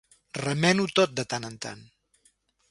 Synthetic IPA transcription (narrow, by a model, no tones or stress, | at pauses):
rəmɛnut̪ot̪̚d̪ət̪anənt̪a̰n